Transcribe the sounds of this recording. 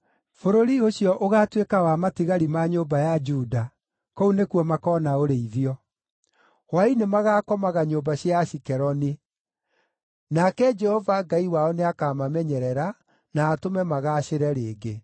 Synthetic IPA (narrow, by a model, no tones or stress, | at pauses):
foɾoɾioɕjɔʔoɣaːtwekawamatiɣaɾimaɲoːbajad͡ʒuːda | kɔunekwɔmakɔnaoɾeiðiɔ | wainemaɣaːkɔmaɣaɲoːbaɕjaɕikɛɾɔni | nakɛd͡ʒɛhɔvaɡaiwaɔneakaːmamɛɲɛɾɛɾa | naːtomɛmaɣaːɕeɾɛɾeːɡe